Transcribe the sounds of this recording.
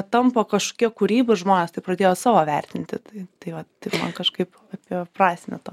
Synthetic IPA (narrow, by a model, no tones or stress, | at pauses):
t̪ɐmpokɐʃko̥kʲiɛkuɾʲiːbʊɪʒmoːnʲɛːst̪ɐɪpɾɐd̪ʲeːjoːsɑːʋoːʋʲɛrʲt̪ʲɪnʲt̪ʲɪt̪ɐɪt̪ɐɪʋɐt̪ɐɪpmɐ̰nkɐʃkɐɪp | ɑːpʲiprɑːsʲnʲɛt̪oː